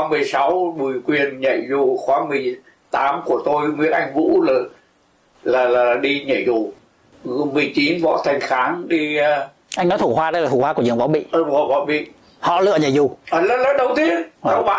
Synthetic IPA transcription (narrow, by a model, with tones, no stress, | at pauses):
a˨˦mɨ˨˩əjsa˨˦wɓɨ˨˩əjkwi˨˩ənɲə̰˧˨jzu˨˩xwaː˨˦mɨ˨˩əj | t̪aː˨˦mku˧˩ət̪o˧jŋwḭ˧˥ənʔa˧jŋ̟vṵ˧˥lə˨˩ | laː˨˩laː˨˩ɗi˧ɲə̰˧˨jzu˨˩˨ | mɨ˨˩əjt͡ɕi˨˦nvɔ̰˧˥˨t̪ʰa˨˩jŋ̟xaː˨˦ŋɗi˧ | ʔa˧jŋnɔ˨˦t̪ʰu˧˩hwaː˧ə˧jlaː˨˩t̪ʰu˧˩hwaː˧ku˧˩zɨ̰˧˩ŋvɔ̰˧˥˦ɓḭ˧˨˧ɔ˧˨˩vɔ̰˧˦ɓḭ˧˨ | hɔ̰˧˨lɨ̰˧əɲa̰˧˨jzu˨˩ʔːlə˨˦˥lə˨˦ɗə˧wt̪ʰi˨˦əə˨˧˦wɓa̰˧˨